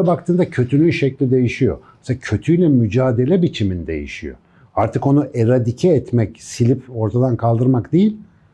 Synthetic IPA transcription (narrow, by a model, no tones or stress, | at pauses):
abak̚t̪ʰɯːnd̪acʰø̞t̪ʰynyjʃɛclʲid̪e̞jiʃijo̞̰me̥seacʰø̞t̪ʰyjlʲɛmyd͡ʒaːd̪e̞lʲɛbit͡ʃʰimind̪e̞̰jḭʃijo̰ | aɾt̪ʰɯko̞nuʔeɾad̪icʰɛːt̪mɛcsilʲipo̞ɾt̪ʰad̪ankʰalˠd̪ɯɾmakd̪ejilʲ